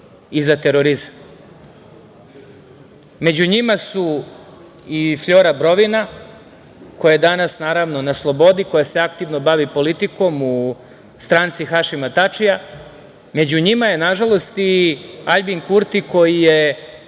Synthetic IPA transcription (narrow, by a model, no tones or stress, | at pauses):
izat̪e̞ɾo̞ɾizam | me̞d͡ʑuɲimasu | ifʎo̞ɾabɾo̞ʋina | ko̞jajed̪anasnaːɾaʋno̞naslˠo̞bo̞d̪iko̞jase̞akt̪iʋno̞baʋipo̞lit̪iko̞mu | st̪ɾaːnt̪sixaʃimat̪at͡ʃija | me̞d͡ʑuɲimaje̞naʒalo̞st̪iaʎbiŋkuɾt̪iko̞jije̞